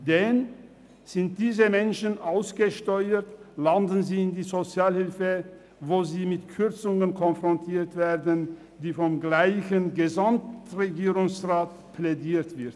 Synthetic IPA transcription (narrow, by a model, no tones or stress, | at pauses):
d̥ɛn | z̥ɪnt̚d̥iːzəmɛnʃənʔaʊsɡ̥əʃtɔʏətlandən̩ziːɪndiːzot͡sjaːlhɪlfə | voːziːmɪtkʰʏʁt͡sʊŋənkʰɔnfʁ̥ɔntʰiːɐtv̥eːɐdən | diːfɔmɡlaɪçənɡəzamtʁeɡiːʁʊŋsʁaːt | plediːɐtv̥ɪɐt